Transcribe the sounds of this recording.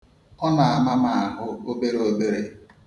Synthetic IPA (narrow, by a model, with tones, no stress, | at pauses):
ɔ˦na˨a˦˨ma˦ma˨a˨ɦʊ˦o˦be˦ɾo˦be˦ɾe˦